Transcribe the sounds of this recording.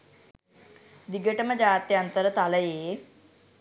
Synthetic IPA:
d̪iɡəʈəməd͡ʑaːt̪jɐnt̪əɾət̪aləje

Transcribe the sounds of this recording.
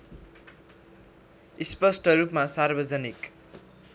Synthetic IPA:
ispʌsʈʌɾupmasarbʌd͡zʌnik

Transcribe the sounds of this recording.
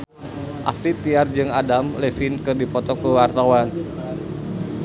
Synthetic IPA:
ʔa̰sɾit̪iard͡ʒɨŋadamlefinkɨrdipɔt̪ɔkəwart̪awan

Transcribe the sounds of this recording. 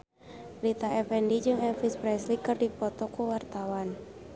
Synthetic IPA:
lit̪aɛfɛndid͡ʒɨŋɛfispɾɛslikɨrdipɔt̪ɔkuwart̪awan

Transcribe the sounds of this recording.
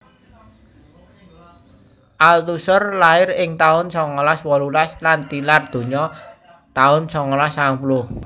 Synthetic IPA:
ʔalt̪usʊrlaɪrɪŋt̪aʊnsɔŋɔlaswɔlulaslant̪ilard̪̥o̤ɲɔ | t̪aʊnsɔŋɔlasaŋpulʊh

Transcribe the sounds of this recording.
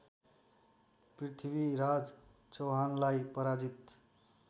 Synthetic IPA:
prit̪ʰibiɾad͡z | t͡soɦanlajpʌɾad͡zit̪

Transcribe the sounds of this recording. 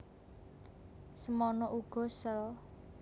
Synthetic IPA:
səmɔnɔʔuɡ̥ɔ̤səl

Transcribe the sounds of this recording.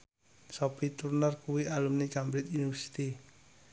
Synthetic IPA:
sɔpit̪urnərkuwialumnikambɾɪt̪iniwɛsi̥t̪i

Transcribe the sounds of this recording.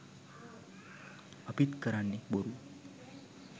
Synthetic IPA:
əpit̪kəɾanːiboɾu

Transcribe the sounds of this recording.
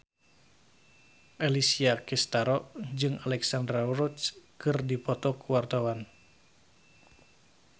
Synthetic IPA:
ʔelisiakist̪aɾɔʔd͡ʒɨŋalɛksandɾauɾut͡ʃkɨrdipɔt̪ɔkuwart̪awan

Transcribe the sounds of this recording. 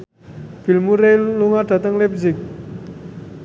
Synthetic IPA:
pilmuɾejloŋarʈ͡ʂat̪aŋlep̚ʑik̚

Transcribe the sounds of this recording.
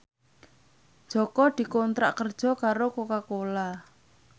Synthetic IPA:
d͡ʒ̥ɔ̤kɔd̪̥i̤kont̪ɾa̰ʔkərd̥ʒ̥ɔ̤kaɾokokakola

